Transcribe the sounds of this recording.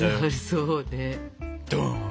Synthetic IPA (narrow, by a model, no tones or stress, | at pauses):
aɾɯsone̥